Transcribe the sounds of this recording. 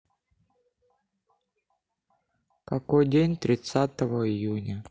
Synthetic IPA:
kɐkojdʲenʲt̪ɾʲɪt̪sat̪əvəɪjunʲə

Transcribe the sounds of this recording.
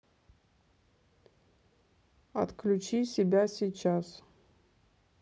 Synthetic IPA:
ɐ̰t̪kʰlʲut͡ʃisʲɪbʲasʲiːt͡ʃʰas

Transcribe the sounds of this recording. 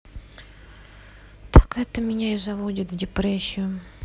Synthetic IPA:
t̪ʰakɛt̪əmʲɪnʲaɪzɐvodʲɪt̪vdʲɪpɾesʲːɪʊ

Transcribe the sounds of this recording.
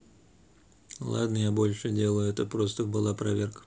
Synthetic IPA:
lˠa̰d̪nəjabo̞lʲʂɨdʲelˠəjʊɛt̪əpɾost̪əbɨlˠapɾɐvʲerkə̥

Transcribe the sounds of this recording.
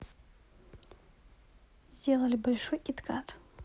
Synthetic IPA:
zʲdʲelˠɐlʲibɐlʲʂojkʲʼɪt̪kʰat̪

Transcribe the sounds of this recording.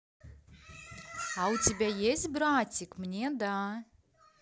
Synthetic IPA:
awt͡s̪ʲibʲɛjezʲbɾaːt͡sʲikmnʲiɛd̪aː

